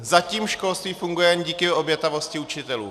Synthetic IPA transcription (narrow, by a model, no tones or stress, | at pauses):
zaciːmʃko̞lst̪viːfuŋɡujɛɲɟiːkɪobjɛt̪avo̞scɪut͡ʃɪt̪ɛlṵː